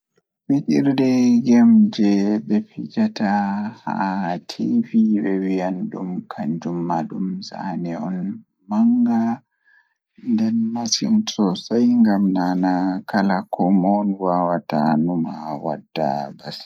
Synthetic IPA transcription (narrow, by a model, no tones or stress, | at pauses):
wiɗiɾdɛɡɛmd͡ʒɛɓɛpid͡ʒataha̰tʰiviɓɛwijanɗumkʰaɲd͡ʒumːaɗumza̰nɛɔ̰n | maŋɡa | ndɛnmasḭnt͡sʼɔsajŋɡamnanakalakʰɔmɔnwawatanuma̰wa̰dːa̰bas